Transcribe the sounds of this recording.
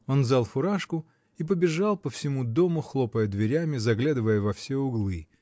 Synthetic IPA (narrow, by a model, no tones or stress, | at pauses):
o̞nzalˠfʊɾaʂkʊ | ip̬əbʲɪʐalˠpəfsʲɪmud̪o̞mʊxlˠopəjəd̪vʲɪɾʲamʲɪzɐɡlʲad̪ɨvəjəvɐfsʲeʊɡlˠɨ